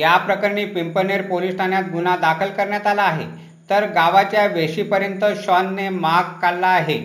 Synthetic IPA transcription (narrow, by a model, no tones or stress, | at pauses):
japɾəkəɾɳiːpimpəneɾpolisʈʰanjat̪̚ɡunad̪akʰəlkəɾɳjat̪alaːɦe | t̪əɾɡaʋat͡ɕjaʋeɕiːpəɾjənt̪əɕanːemaɡkalːaːɦe